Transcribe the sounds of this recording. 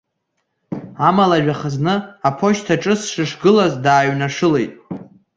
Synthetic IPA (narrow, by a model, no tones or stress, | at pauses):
amalaʒᶣaχaznɨapʰo̞ʃtʰaʈ͡ʂʼɨsʂɨʂɡɨlazdaːɥnaʂɨle̞jtʼ